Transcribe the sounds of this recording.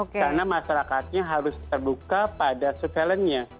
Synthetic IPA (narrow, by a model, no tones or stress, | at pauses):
okkarnamaʃaɾakat̪̚ɲaɦaɾʊst̪ərbukapadasukɛlənɲa